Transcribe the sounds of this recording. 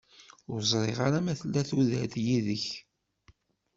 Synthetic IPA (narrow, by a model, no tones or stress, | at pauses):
ʊɾzˤɾˤeʁaɾamæθlːæθuðæθjiðəç